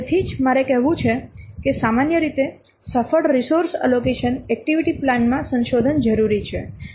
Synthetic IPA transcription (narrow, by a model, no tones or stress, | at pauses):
et̪ʰid͡ʒmaɾekɛɦʋũt͡ʃʰekesamanjəɾit̪e | səfəɽɾisoɾsə̰lokeʃənɛk̚ʈiʋiʈiplanmãsə̃nʃod̪ʱənd͡ʒəɾuɾit͡ʃʰḛ